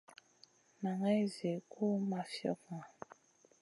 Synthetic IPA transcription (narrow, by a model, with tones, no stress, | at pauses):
na˨ŋɛ˦ze˨ku˦ma˨fjɔ̰˦kŋa˨